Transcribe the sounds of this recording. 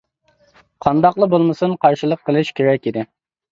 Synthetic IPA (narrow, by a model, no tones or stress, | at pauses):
qʰɑnd̪ɑqlˠəbolˠmɨsɨnqʰɑɾʃilˠəqʰːəlˠɨʃkʲeɾɛkʲid̪ɪ